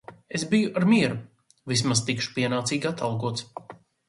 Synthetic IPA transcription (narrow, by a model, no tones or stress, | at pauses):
esbijuʔaɾmiɛɾu | vis̬mast̪ikʃu̥piɛnaːt̪siːɡʲat̪alˠɡuɔt̪s